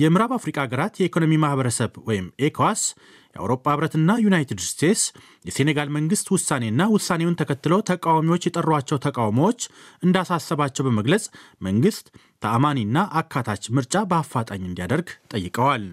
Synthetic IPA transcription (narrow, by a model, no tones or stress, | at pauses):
jɛmɨɾaβafɾikʼaɡəɾat̪jɛikʰo̞no̞mimahβəɾəsəβwɔjɪmekʰoas | jɛʔa̰wɾo̞pʼːahɨβɾət̪ɨnːajunajt̪ɨd̪st̪ʰe̞t̪s | jɛse̞neɡalməŋɡɨst̪wʊsːane̞ɨnːawʊsːane̞wʊnt̪ʰəkʰət̪ːɨlo̞t̪ʰəkʼawamiwot͡ʃːjɛt̪ʼərːat͡ʃːɛwt̪ʰəkʼawmowot͡ʃːʔɨnd̪asasːəβat͡ʃːɛwbəməɡləsʼməŋɡɨst̪ʰː | əʔamaninːaʔakʰːat̪ʰat͡ʃmɨɾt͡ʃʼabəafːat̪ʼaɲːɨnd̪ijad̪əɾɡt̪ʼəjːɨkʼəwal